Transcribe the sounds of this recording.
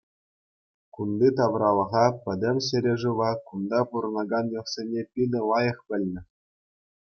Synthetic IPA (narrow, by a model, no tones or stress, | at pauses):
kund̪it̪ɑʋrɑlˠɤ̆ʁɑpʲɘ̆d̪ʲɘ̆mʲɕɘ̆ɾʲeʐuʋɑkund̪ɑpuɾɤ̆nɑɡɑnjɤ̆χsʲenʲepʲidʲɘ̆lˠɑjɤ̆χpʲɘ̆lʲnʲɘ̆